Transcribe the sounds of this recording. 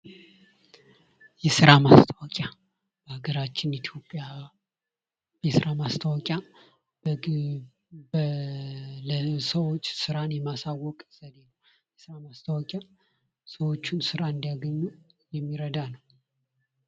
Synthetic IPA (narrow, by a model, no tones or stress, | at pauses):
jɛsɨɾamast̪ʰəwakʼja | b̥əhaɡəɾat͡ʃːɪnit̪ʰjo̞pʼːja | jɛsɨɾamast̪ʰəwakʼja | ləsəwot͡ʃːsɨɾanjɛmasawːɔkʼsəd̪enəw | jɛsɨɾamast̪ʰəwakʼja | səwo̞t͡ʃːunsɨɾaɨnd̪aɡəɲːu | jɛmːiɾəd̪anəw